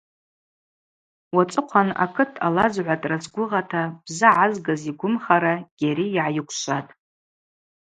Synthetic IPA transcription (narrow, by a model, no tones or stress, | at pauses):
wat͡sʼɨqʷʰana̰kʰɨtʰa̰lazʕʷatʼrat͡sɡʷʊʁatʰab̥zɨʕazɡaziɡʷʊmχaɾaɡ̥ʲaɾiːʕajɪkʷʰʃʷatʼ